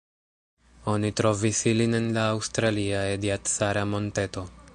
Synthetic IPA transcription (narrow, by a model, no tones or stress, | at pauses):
o̞nitɾo̞visiline̞nlaːwstɾaliaediatsaɾamo̞nte̞to̞